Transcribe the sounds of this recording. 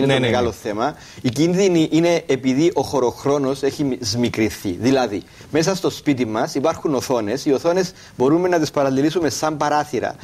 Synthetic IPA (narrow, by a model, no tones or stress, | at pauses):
inenemeɣɐlo̞θe̞mɐ | icinðiniʔine̞ːpiðiʔo̞xo̞ɾo̞xɾo̞no̞se̞çizmikɾiθiðilɐði | me̞s̬ɐst̪o̞spit̪̬imːɐsipɐɾxuno̞θo̞ne̞sio̞θo̞ne̞z | bo̞ɾumːenːɐt̪ispɐɾɐlːilisume̞sɐmbɐɾɐθiɾɐ̰